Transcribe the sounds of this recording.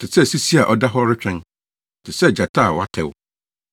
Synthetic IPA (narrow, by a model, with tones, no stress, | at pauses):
tʰɪ˨sɛ˦˨si˦si˦a˨ʔɔ˦da˦ɦɔ˦ɾɪ˦t͡ɕᶣɛ̃˦n | tʰɪ˨sɛ˦˨d͡ʑa˨tʰa˦˨wa˦tʰɛ˨wʊ̰˦